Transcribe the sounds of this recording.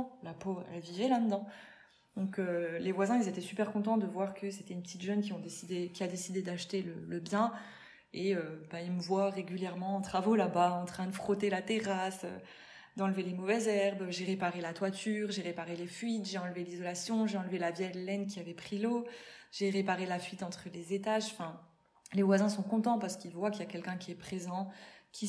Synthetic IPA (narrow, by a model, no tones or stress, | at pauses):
lapoɛ̰lvivɛlɛ̃d̪əd̪ɑ̃ | d̪ɔ̃kølevwazɛ̃ilzet̪ɛsypɛʁkɔ̃t̪̬ɑ̃d̪əvwaʁkʰəset̪ɛynpət̪ʰit̪ʒœnkʲiɔ̃d̪esid̪ekʲiad̪esid̪ed̪aʃt̪elələbjɛ̃ | eøbailməvwaʁeɡʲyljɛʁmɑ̃ːt̪χavolabaɑ̃t̪χɛ̃d̪əfχɔt̪elat̪eʁasø̰ | d̪ɑ̃ləvelemɔvɛzɛʁbøʒeʁepaʁelat̪wat̪ʰyːʁʒeʁepaʁelefɥit̪ʒeɑ̃lvelizɔlasjɔ̃ʒeɑ̃lvelavjɛd̪lɛnk̬ʲiavɛpχiloʒ̥eʁepaʁelafɥit̪ɑ̃t̪χəlezet̪aʒɑ̃fɛ̃ | levwazɛ̃sɔ̃kɔ̃t̪ɑ̃paʁsə̥kilvwakəljakʲɛlkʲɛ̃kʲiɛpχezɑ̃kʲʰi